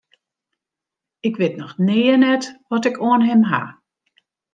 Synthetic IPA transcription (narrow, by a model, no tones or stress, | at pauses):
ɪkʋɪtnɔxnɪːənɛtʋɔtɪkʰoənɦɪmɦa̰